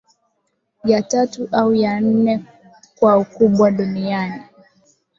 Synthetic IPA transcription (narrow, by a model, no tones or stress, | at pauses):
jatatuʔaujan̩nɛ | kwaukuɓwaɗuniani